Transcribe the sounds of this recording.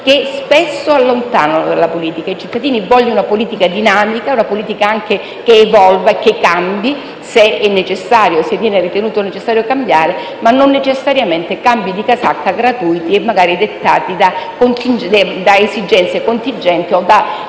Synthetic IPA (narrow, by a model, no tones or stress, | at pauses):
kespesːoalːont̪a̰ːnod̪alːapoliːt̪ikait͡ʃit̪ːad̪iːnivɔʎːunapoliːt̪ikad̪inaːmikaunapoliːt̪ikaaŋk̟e | keːvɔlvak̟ːekːambji | seɛnːet͡ʃesːaːɾjosevːjɛːnerit̪enuːt̪onet͡ʃesːaːɾjokambjaːɾe | manːonːet͡ʃesːaɾjament̪ekambjid̪ikasakːaɡɾat̪ujt̪iemːaɡaːɾid̪et̪ːa̰ːt̪id̪akont̪ind̪d̪aezid͡ʒɛnt̪sekont̪ind͡ʒɛnt̪iod̪a